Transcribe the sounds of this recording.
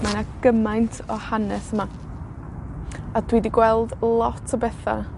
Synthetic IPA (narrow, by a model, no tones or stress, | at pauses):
manaɡ̥əmajntʰɔhanɛsəma | ad̥ʰwidiɡwɛlˠdlˠɔtʰɔbɛθa̰